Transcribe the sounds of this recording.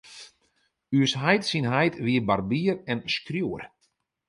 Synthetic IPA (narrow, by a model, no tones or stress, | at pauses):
yəsɦɛjtsinɦɛjtʰʋiəbarbiːərɛnskrjuːər